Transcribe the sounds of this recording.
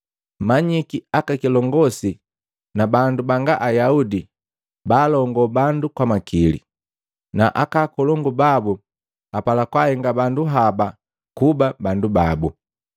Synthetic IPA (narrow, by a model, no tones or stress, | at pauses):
maɲikiakakilɔŋɡɔsi | nabandubaŋɡaʔajaudi | baːlɔŋɡɔbandukwamakilḭ | naʔakaːkɔlɔŋɡubabu | apalakwahɛŋɡabanduɦaba | kubabandubabu